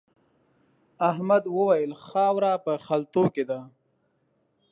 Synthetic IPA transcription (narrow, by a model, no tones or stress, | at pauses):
aɦmad̪wəwajəlxɑwɾapəxalt̪oked̪a